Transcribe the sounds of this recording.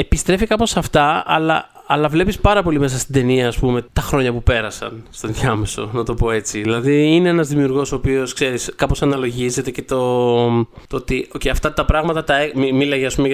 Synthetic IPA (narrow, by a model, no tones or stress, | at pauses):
epist̪ɾe̞fikɐpo̞sɐft̪ɐɐlɐ | ɐlɐvle̞pispɐɾɐpo̞lime̞sɐst̪id̪e̞niɐːspume̞t̪ɐxɾo̞ɲɐpupe̞ɾɐsɐ̰nst̪oðʝɐmeso̞̰nɐt̪o̞po̞e̞t͡siðilɐðiine̞enɐzðimiuɾɣo̞so̞ːpio̞skse̞ɾiskɐpo̞sɐnɐlo̞ʝize̞t̪e̞ce̞t̪o̞ | t̪ot̪ioceɐft̪ɐt̪ɐpɾɐɣmɐt̪ɐt̪ɐemimilɐʝeɐspume